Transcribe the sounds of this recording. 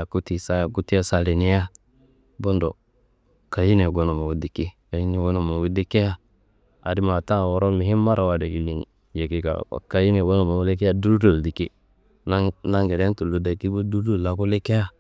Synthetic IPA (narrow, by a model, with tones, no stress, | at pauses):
a˨ku˦ti˨sa˦˨ku˦ti˦ja˦sa˦le˨ni˦ja˦ | bo˦ndo˨ | ka˨ji˦ne˨ɡo˦no˨ma˨wu˨˦di˨ki˦ka˨ji˦ni˦ɡo˦no˨ma˨wu˦di˦ke˦ja˦ | a̰˨di˦ma˨ta˦˨wo˦ɾo˦mi˨hi˦mːa˦ɾa˨wa˨de˨ki˨li˨nḭ˨ | d͡ʒe˨ki˦ka̰˨ka˨ji˦ne˨ɡo˦no˨ma˨wu˦le˦k̬e˦a˦du˦ɾdo˨ldi˨ki˦ | na˦na˦ŋɡe˨ɾe˦ntu˨lu˨da˨ki˦bo˦du˦do˦˨la˦ku˦le˦ke˦ja˦